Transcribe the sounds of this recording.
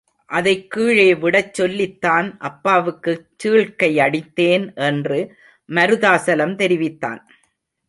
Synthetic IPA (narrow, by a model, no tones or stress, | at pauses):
ʔɐðɐɪkːiːɻeːʋɪɽɐt͡ʃːɔlːɪt̪ːaːnʔɐpːaːʋɯkːɯt͡ʃːiːɭkɐɪɐɽɪt̪ːeːnʔɛndrɯ | mɐɾɯðaːsɐlɐmt̪ɛɾɪʋɪt̪ːa̰ːn